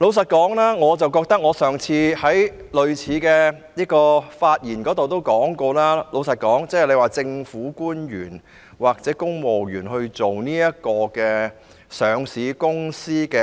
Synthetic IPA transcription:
lo˨˧ws̬ɐ˨t̚kɔː˨˥ŋlaː˥ŋɔː˨˧t͡sɐ˨˩wkɔː˧k̚t̪ɐ˥k̚ŋɔː˨˧sœː˨ŋt͡sʰiː˧hɐ˨˥jlɵ˨ɥt͡sʰiː˨˧kɛː˧ | niː˥kɔː˧faː˧t̚jiː˨˩nkɔː˨˥t̪o˨wt̪̬o˥wkɔː˨˥ŋkɔː˧laː˥lo˨˧wsɐ˨t̚kɔː˨˥ŋt͡sɛː˥ɛ˨˩le˨˧jwaː˨˩t͡sɪ˧ŋfuː˨˥kuː˥njyː˨˩n | waː˨k̚t͡sɛː˨˦˥kʊ˥ŋmo˨˩wjyː˨˩nhɵ˧ɥt͡so˨wniː˥jɐ˥t̚kɔː˧kɛː˧ | sœː˨˧ŋsiː˨˧kʊ˥ŋsiː˥kɛː˧

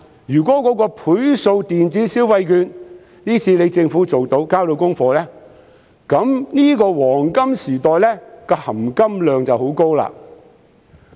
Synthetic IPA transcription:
jyː˨˩kɔː˨˥kɔː˨˥kɔː˧pʰuː˨˥jso˧wt̪iː˨nt͡siː˨˥siː˥wɐ˧jkyː˨˧n | niː˥t͡sʰiː˧le˨˧jt͡sɪ˧ŋfuː˨˥t͡so˨wt̪o˨˥wkaː˥wt̪o˧wkʊ˥ŋfɔː˧lɛː˥ | kɐ˨˧˥mniː˥kɔː˧wɔː˨˩ŋkɐ˥msiː˨˩t̪ɔː˨jlɛː˥kɔː˧hɐ˨˩mkɐ˥mlœː˨˧ŋt͡sɐ˨who˨˥wko˥wla̰ː˧

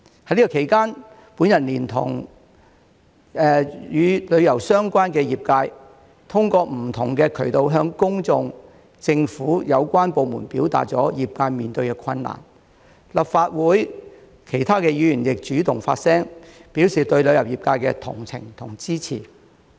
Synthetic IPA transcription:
hɐ˧jliː˥kɔ˨˧kʰe˨˩jkaː˥n | puː˨˥njɐ˨t̚liː˨˩nt̪ʰʊ̰˨˩ŋ | ɛː˨jyː˨˧lɵ˨˧ɥjɐ˨˩wsœː˥ŋkʷaː˥nkɛː˧jiː˨p̚kaː˧j | t̪ʰʊ˥ŋkɔː˧m̩˨˩t̪ʰʊ˨˩ŋkɛː˧kʰɵ˨˩ɥt̪o˨wɦœː˧ŋkʊ˥ŋt͡sʊ˧ŋ | t͡sɪ˧ŋfuː˨˥jɐ˨˧wkʷaː˥npo˨˧wmṵː˨˩npiː˨˥wt̪a̰ː˨t̚t͡sɔː˨˥jiː˨p̚kaː˧jmiː˨nt̪ɵ˧ɥkɛː˧kʰɐ˧nːa̰ː˨˩n | lɐ˨p̚faː˧t̚wuː˨˥j | kʰe˨˩jt̪ʰaː˥kɛː˧jyː˨˧jyː˨˩njɪ˨k̚t͡ʃyː˨˥t̪ʊ˨˩ŋfa̰ː˧t̚sɛː˥ŋpi˨˥wsiː˨t̪ɵ˧ɥlɵ˨˧ɥjɐ˨˩wjiː˨˩pkaː˧jkɛ̰˧t̪ʰʊ̰˨˩ŋt͡sʰɪ̰˨˩ŋt̪ʰʊ˨˩ŋt͡siː˥t͡sʰḭː˨˩

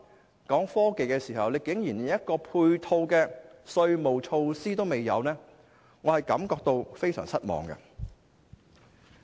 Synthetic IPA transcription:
kɔː˨˥ŋfɔː˥ke˨˧jkɛː˧siː˨˩hɐ˨wle˨˧jkɪ˨˥ŋjiː˨˩n˨jɐ˥t̚kɔː˧pʰuː˧jt̪ʰo˧wkɛː˧sɵ˧ɥmo˨˩wt͡ʃʰo˧wsiː˥t̪o˥wme˨jːɐ̰˨˧wnɛː˥ | ŋɔː˨˧hɐ˨˩jkɐ˨˥mkɔː˧k̚t̪o˧wfe˥jsœ̰ː˨˩ŋsɐ˥t̚mɔ̰ː˨ŋɡɐ̰˧

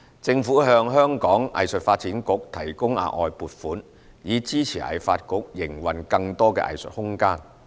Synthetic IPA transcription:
t͡sɪ˧ŋfuː˨˥ɦœː˧ŋɦœː˥ŋkɔː˨˥ŋɐ̰˨jsɵ˨t̚faː˧t̚t͡siː˨˥nkʊ˨˥k̚t̪ʰɐ˨˩jkʊ˥ŋa̰ː˨˧ʔɔ̰ː˨˧jpuː˨t̚fuː˨˥n | jiː˨˧t͡siː˥t͡sʰiː˨˩ʔɐ̰˨jfaː˧t̚kʊ˨˥k̚jɪ˨˩ŋwɐ˨nkɐ˧ŋt̪ɔː˥kɛ̰ː˧ʔɐ̰˨jsɵ̰˨t̚hʊ˥ŋkaː˥n

